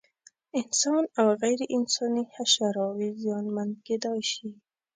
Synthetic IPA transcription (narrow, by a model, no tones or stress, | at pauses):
ɪnsɑnawɣajɾɪʔɪnsɑnihaʃaɾɑwizijɑnmand̪̚ɡed̪ɑjʃi